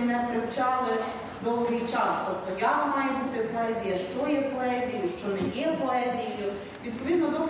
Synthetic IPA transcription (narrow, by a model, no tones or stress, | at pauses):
nɛpɾɪwt͡ʃɑlˠɪ | d̪ɔwˠɔɦijt͡ʃɑst̪ɔpt̪ɔjɑmɑjɛbut̪ɪpɔɛzʲijɐʃt͡ʃɔjɛpɔɛzʲijʊʃt͡ʃɔnɛjɛpɔɛzʲijijʊ | ʋʲid̪̚pɔʋʲid̪nɔd̪ɔp